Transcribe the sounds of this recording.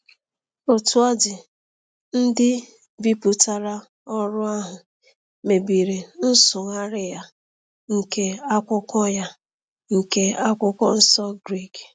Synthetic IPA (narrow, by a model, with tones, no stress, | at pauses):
o˨tu˦a˦dɪ˨ | n̩˦dɪ˦ | bi˦pʊ˨ta˨ɾa˦ | ɔ˦ɾʊ˦a˦ɦʊ˨ | me˨bi˨ɾe˨n̩˦sʊ˨ŋa˦ɾɪ˦ja˦ | ŋ̩˨ke˦a˦kʷʊ˦kɔ˦ja˦ | ŋ̩˨ke˦a˦kʷʊ˦kɔ˦n̩˦sɔ˦ɡɾi˦˨k